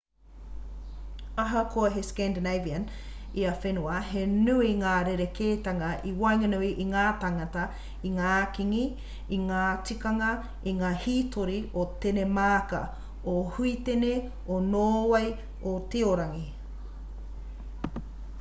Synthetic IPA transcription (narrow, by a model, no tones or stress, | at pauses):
ɐɦɐkʰoɐɦeskɛndeneviɐn | iɐfenuɐɦenuiŋaːɾeɾekʰeːtɐŋɐʔiwɐjŋɐnuiʔiŋaːtaŋɐtɐ | iŋaːkiŋiː | ŋaːt͡sikɐŋɐ | iŋaːhiːtʰoɾiotenemaːkɐ̰ | ohuit̪ene | onoːwɐj | ot̪eoɾɐŋi